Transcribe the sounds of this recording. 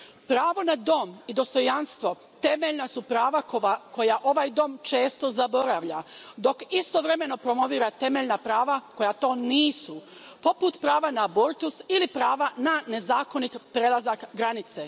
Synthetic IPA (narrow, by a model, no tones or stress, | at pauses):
pɾaːʋo̞nad̪o̞mid̪o̞st̪o̞janst̪ʋo̞ | t̪e̞meʎnasupɾaːʋakko̞jaʔo̞ʋajd̪o̞mt͡ʃe̞ːst̪o̞zabo̞ɾaʋʎad̪o̞kist̪o̞ʋɾe̞me̞no̞pɾo̞mo̞ʋiːɾat̪e̞me̞ʎnapɾaːʋako̞jat̪o̞ːniːsu | po̞put̪pɾaːʋanaboɾt̪usilipɾaːʋanane̞zaːko̞nit̪pɾelˠazakɡɾanit̪se